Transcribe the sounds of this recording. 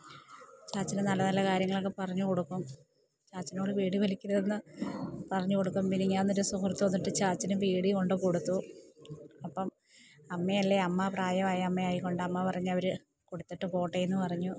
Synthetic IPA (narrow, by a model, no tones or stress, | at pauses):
t͡ɕaːt͡ɕːinɨnɐlːɐnɐlːɐkaːɾjɐŋːɐɭokːepɐrɐɲːuko̞ɽukːum | t͡ɕaːt͡ɕːinoːɽɨpiːɽiʋɐlikʲːuɾɐðenːɨpɐrɐɲːuko̞ɽukːumpiniɲːaːnːoɾusukrɐt̪ːuʋɐnːiʈːɨt͡ɕaːt͡ɕːinɨpiːɽiko̞ɳɖɨko̞ɽut̪ːu | ɐpːɐm | ɐmːeɐlːeɐmːɐpraːjɐmaːjɐmːejaːjikːo̞ɳɖɨɐmːɐpɐrɐɲːɐʋɐɾɨ | ko̞ɽut̪ːeʈːɨpo̞ːʈːejenːɨpɐrɐɲːu